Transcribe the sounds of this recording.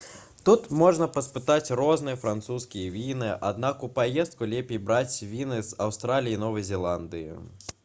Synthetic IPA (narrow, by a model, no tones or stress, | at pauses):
t̪ut̪mɔʐnɐpɐspɨt̪at͡sʲrɔznɨjɐfɾant̪suskʲijɐvʲinɨʔa̰d̪̚nakupajɛst̪̚kulʲɛpʲejbɾat͡sʲvʲinɨzawst̪ɾalʲijinɔvɐjzʲɛlˠand̪ɨjḭ